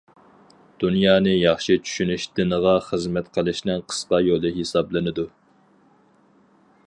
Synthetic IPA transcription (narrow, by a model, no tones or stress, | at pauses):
d̪̥unjɑːnɨjɑχʃit͡ʃʰy̥ʃynyʃd̪ɪnəʁɑχəzmɛt̪qʰəlˠɪʃnɪŋqʰə̥sqɑjolˠɨɦesɑblˠɨnɨd̪u